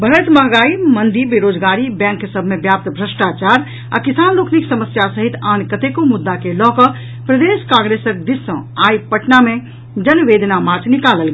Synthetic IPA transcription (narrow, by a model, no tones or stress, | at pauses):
bʱəɾət̪məɦɡaimənd̪ibeɾod͡ʒɡaɾibɛ̃ŋkːesəbʱmebjap̚t̪bʱɾəsʈat͡ʃaɾ | a̰kisanlokʰniksəməsjasəɦit̪ankət̪ekomud̪ːakelɔɦkə | pɾəd̪eskãŋɡɾesəɾkd̪isːə̃aipəʈname | d͡ʒənʋed̪ʱnamaɾt͡ʃʰnikaləlɡ